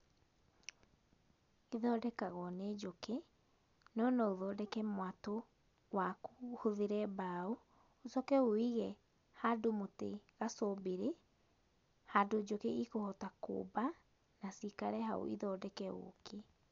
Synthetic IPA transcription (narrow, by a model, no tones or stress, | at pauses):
iðɔːdɛkaɣwɔned͡ʒoke | nɔnɔoðɔːdɛkɛmwato | wakuhoðeɾɛbao | osɔkɛoiɣɛ | hadomoteɣasobeɾe | hadod͡ʒokeʔikohɔtako̰ːba | nasikaɾɛɦa̰o̰ʔḭðɔːdɛkɛo̰kʰe